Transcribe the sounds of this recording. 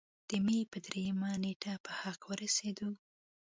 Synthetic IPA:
d̪̥əmepəd̪ɾejamaneʈʰapəhaqwəɾased̪o

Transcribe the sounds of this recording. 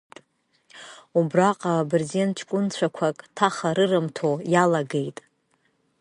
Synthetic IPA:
ubraqʼabɨrzent͡ʃʰkʷʼʊnt͡ɕʷʰakʷʰakʼtʰaχaɾɨrɨmtʰojalaɡejtʼ

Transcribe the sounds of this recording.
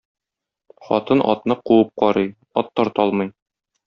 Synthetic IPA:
χɒ̰t̪ɤnʔɒ̰t̪nɤquɤp̚qɒɾɤj | ɒt̪ːɒɾt̪ɒlˠmɤj

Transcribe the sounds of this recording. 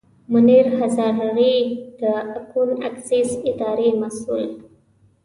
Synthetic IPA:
mʊniɾhazɑɾaɾid̪̥əakuna̰ksisɪd̪ɑɾemasul

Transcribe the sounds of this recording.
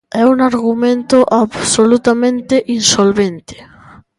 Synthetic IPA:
ɛunaɾɣumẽnt̪oʔaβsolut̪amẽnt̪eʔinsolβẽnt̪e̥

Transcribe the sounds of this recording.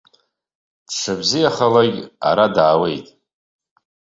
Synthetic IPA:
d̥ʂʷʰabzijaχalaɡʲa̰ɾadaːwe̞jtʼ

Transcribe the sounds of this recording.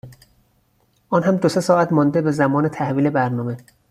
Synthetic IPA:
ʔɒːnɦæmd̪osesɒːæt̪mɒːnd̪ebe̞zæmɒːnet̪ʰæhviːlebæɾnɒːme̞

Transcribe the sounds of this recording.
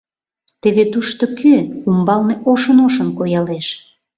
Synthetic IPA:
t̪eβet̪uʃt̪okʰøumbɑlneʔoʃənoʃə̆mkojɑleʃ

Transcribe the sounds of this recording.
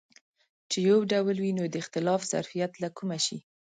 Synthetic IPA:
t͡ʃejawɖawlwinod̪əɪxt̪ɪlɑfz̥a̰ɾfijat̪lakumaʃi

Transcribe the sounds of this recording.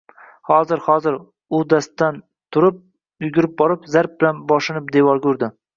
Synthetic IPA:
hɒzɪɾhɒzɪɾ | ʊd̪ast̪ːan | t̪ʰʊɾɪp̚ | ʊjʊɡʲɪɾɪp̚bɒɾɪpzaɾp̚bɪlanbɒʃɪnɪp̚d̪e̞vɒɾkʲɵɾd̪ɪ

